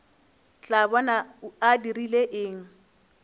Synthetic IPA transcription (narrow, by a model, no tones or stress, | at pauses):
t͡ɬʼabɔnauadirileʔɪːŋ̩